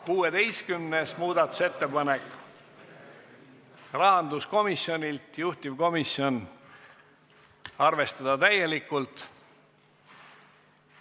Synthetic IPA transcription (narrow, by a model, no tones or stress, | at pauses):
kuːe̞t̪e̞jskymnesmuːd̪ɑt̪ːˑu̥se̞t̪ːe̞pɑnek | rɑɦɑnd̪usko̞misjo̞nʲilt̪juht̪ivko̞misjo̞n | ɑrve̞st̪ɑd̪̥ɑt̪æje̞likːˑult̪